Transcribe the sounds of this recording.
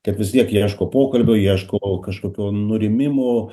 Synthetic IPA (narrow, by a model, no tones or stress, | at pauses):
kɐt̪ʋʲɪst̪ʲiɛkjiɛʃkoːpoːkɐlʲbʲoːjiɛʃkoːkɐʃkoːkʲoːnʊɾʲɪmʲɪmoː